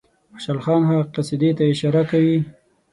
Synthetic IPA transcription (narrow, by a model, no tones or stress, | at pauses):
aʃalxɑnɦaqasid̪et̪aɪʃɑɾakawi